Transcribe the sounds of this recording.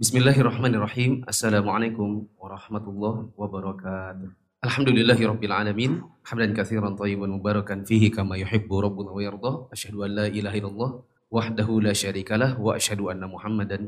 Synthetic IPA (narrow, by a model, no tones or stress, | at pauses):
bɪsmɪlːaːɦʔɑrˤːɑħmaːnɪrˤɑħiːmʔasːalaːmʊʕalejkʊmwɑɾˤɑħmat̪ʊlˤːɑhwabɑɾˤɑkaːt̪ʊh | ʔalħamd̪ʊlɪlːaːɦɪɾˤɑbːɪlʕaːlamiːnħamlankaθiːɾɑnt̪ˤɑjːɪbanmʊbaːɾˤɑkanfiːɦɪkamajʊħɪbːʊɾˤɑbːʊnawajɑɾˤd̪ˤɑːʔaʃhadʊʔanlaːʔilaːɦaʔɪlːalˤːɑːh | waħdaɦulaːʃaɾiːkalahwaʔaʃhaduʔanːamʊħamːadan